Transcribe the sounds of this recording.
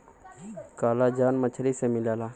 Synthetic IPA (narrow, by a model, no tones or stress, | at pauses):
kaːlad͡ʒaːnmət͡ʃʰɾisemɪlaːlaː